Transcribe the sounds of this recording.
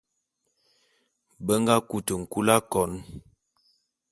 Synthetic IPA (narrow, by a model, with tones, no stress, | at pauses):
bə˦ŋ˦ɡa˦ku˨tə˨ŋ̩˨ku˦la˦kɔ˨˦n